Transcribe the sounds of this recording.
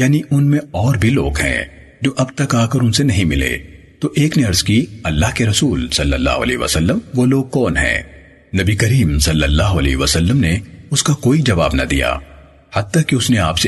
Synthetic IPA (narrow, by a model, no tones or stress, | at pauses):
jaːniʔʊnmẽɔːɾbʱiloːɡɦɛ̰̃ː | d͡ʒoːʔɐbt̪ɐkaːkɐɾʊ̃nsenɐɦĩmɪlḛː | t̪oʔeːkneɐɾzkiɐlːaːɦkeɾɐsuːlsɐlːə̰lːa̰ːɦʊ̰ɐlɛ̰ːɦʋɐ̰səlːəmʋoloːɡ̚kɔːnɦɛ̰̃ː | nɐbikɐɾiːmsɐlːəlːaːɦʊɐlɛ̰ːɦʋɐsɐlːəmneʊskakoːid͡ʒɐʋaːbna̰d̪ija̰ː | hɐd̪̚t̪akiʊsneaːpse